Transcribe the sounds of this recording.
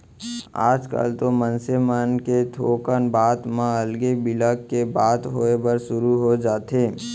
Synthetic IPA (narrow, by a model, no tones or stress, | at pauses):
a̰ːd͡ʒka̰ːlt̪omənsemaːnket̪ʰoːkənbaːt̪mãəlɡebɪləkːebaːt̪ɦoːebəɾʃʊɾuɦod͡ʒaːt̪eː